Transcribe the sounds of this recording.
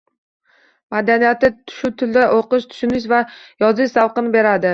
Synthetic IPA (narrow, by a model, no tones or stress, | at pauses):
mad̪anijat̪ɪʃʊt̪ʰʊld̪aʔoqɨʃt̪ʰʊ̥ʃʊnɪʃ̬vajɒzɪʃsawqɨnɪbe̞ɾad̪ɪ